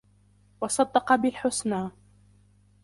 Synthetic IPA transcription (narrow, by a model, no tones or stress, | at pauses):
wɑsˤɑd̪ːɑqɑbɪlħʊsnaː